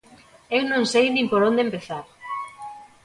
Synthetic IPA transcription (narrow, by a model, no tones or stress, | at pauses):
ewnõŋsejnĩmpoɾond̪empeθaɾ